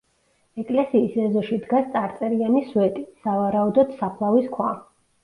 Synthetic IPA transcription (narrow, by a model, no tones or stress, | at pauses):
ɛkʼlɛsiːsɛzɔʃid̪ɡast̪sʼaɾt̪sʼɛɾianisuɛt̪ʼisavaɾaud̪ɔd̪sapʰlˠaviskʰwa